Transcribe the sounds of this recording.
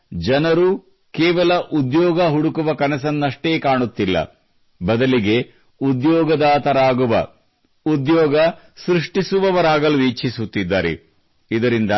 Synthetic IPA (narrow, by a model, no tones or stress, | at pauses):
d͡ʒɐnɐɾu | kɛːʋɐlɐʔud̪jɔːɡɐɦuɽukuʋɐkɐnɐs̬ɐnːɐʂʈeːkaːɳut̪ːilːɐ̰ | bɐd̪ɐliɡe̞ | ud̪jɔːɡɐd̪aːt̪ɐɾaːɡuʋɐ̰ | ud̪jɔːɡɐ | sɾiʂʈisuʋɐʋɐɾaːɡɐluiːt͡ʃʰisut̪ːid̪ːa̰ːɾḛ | id̪ɐɾind̪ɐ